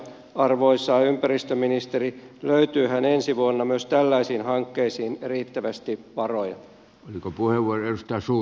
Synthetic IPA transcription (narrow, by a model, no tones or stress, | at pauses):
ɑrʋoisːɑːympærist̪øminist̪eriløyt̪yːhænensiʋuonːɑmyøst̪ælːæisiːnhɑŋkːeisiːnriːt̪ːæʋæst̪ipɑrojɑ̰ | olikopuheʋʋuorelust̪æːˑsuː